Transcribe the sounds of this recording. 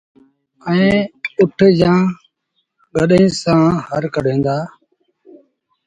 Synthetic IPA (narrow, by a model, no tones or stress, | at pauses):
əẽːʊʈʰd͡ʒãː | ɡəɗĩːsãːhɦəɾkəɗẽːnd̪aː